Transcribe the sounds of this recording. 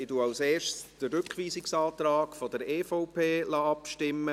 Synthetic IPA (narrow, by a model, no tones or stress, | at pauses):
ɪtuawseːʃsd̥əɾʏkχʋiːsɪksɑːt̪ɾɑːɡ̥fɔdəɾɛːfoʊpʰeːlɑːɑpʃtɪmːə